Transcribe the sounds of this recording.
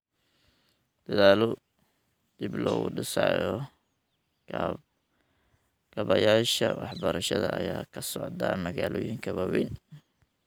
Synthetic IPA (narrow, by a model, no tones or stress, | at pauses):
d̪̥ɐðaːlʊ | d̪̥iblɔːɣʊɖɪsaːjɔ | ɡ̥ɐβɐjaːʃɐwɑħbɐɾɐʃɐðɐʔɐjaːkʰɐsɔʕd̪aːmɐɣaːlʔɔːjɪŋkʰɐβɐwin